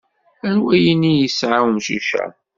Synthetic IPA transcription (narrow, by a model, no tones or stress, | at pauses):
æɾwæjənijəsʕawmʃuʃæ̰